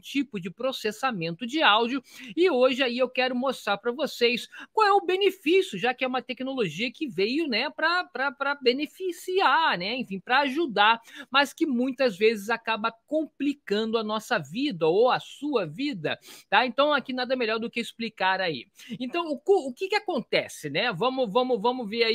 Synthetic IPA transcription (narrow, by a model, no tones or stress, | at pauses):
t͡ʃipʊd͡ʒɪpɾosesamẽnt̪ʊd͡ʒɪawd͡ʒʊɪoʒɪaiewkɛɾʊmost̪ɾaɾpɾɐvosejskwawɛʊbenefisjʊʒakɪɛũmɐt̪ɛknoloʒiɐkɪvejʊnɛpɾɐpɾɐpɾɐbenefisiaɾnɛẽfĩpɾɐaʒud̪aɾmɐskɪmũj̃t̪ɐzvezɪzakabɐkõplikɐ̃nd̪ʊɐnɔsɐvid̪ɐowɐsuɐvid̪ɐ̰t̪aẽnt̪ɐ̃w̃akinad̪ɐmeʎɔɾd̪ʊkɪisplikaɾaḭẽnt̪ɐ̃w̃ʊkoʊkɪkɪakõnt̪ɛsɪnɛvɐ̃mʊvɐ̃mʊvɐ̃mʊveɾai